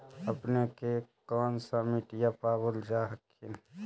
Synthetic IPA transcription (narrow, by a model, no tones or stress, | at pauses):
əpnekekɔːnsamiʈjapaːbəld͡ʒaːɦəkʰːin